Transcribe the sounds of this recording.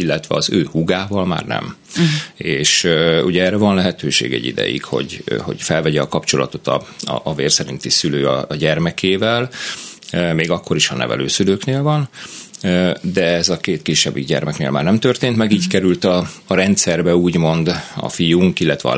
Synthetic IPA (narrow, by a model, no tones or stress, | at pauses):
ilːɛt̪ʋɛɒzøːhuɡaːvɒlma̰ːrnɛ̰m | eːʃuɟɛɛːrɛvɒnlɛɦɛt̪øːʃḛːɡɛ̰ɟːḭd̪ɛ̰jḭkho̞̰ɟho̞̰ɟfɛlvɛɟɛɒkɒpt͡ʃo̞lɒ̰t̪o̞t̪ɒ̰veːrsɛɾin̪t̪isyløːɒ̰ɟɛrmɛkʰeːvɛl | meːɡɒkːo̞ɾiʃɒnɛ̰vɛ̰løːsyløːkneːlvɒnød̪ɛɛzɒkeːt̪kiʃːɛbːiɡɟɛ̰rmɛknḛːlmaːrnɛmt̪ørt̪eːnt̪mɛɡiːckɛɾylt̪ɒːɾɛnt̪sɛrbɛuːɟmo̞nd̪ɒ̰fijuŋkilːɛt̪ʋɛ̰ɒ̰